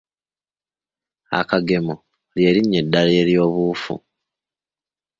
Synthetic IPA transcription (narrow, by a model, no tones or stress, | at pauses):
a̰kaɡe̞mo | lje̞ːɾiɲːe̞dːaleːljo̞ːβuːfṵ